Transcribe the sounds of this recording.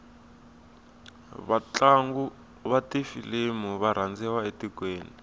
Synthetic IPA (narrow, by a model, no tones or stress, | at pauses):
βat͡ɬaŋɡu | βatifilimuβaɾ̤and͡zɛwaetikweːni